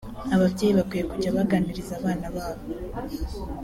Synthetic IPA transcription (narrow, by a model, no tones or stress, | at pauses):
aβavɟeːjiβakwijekuɟaβaɡaːniɾizaːβaːnaβaːβo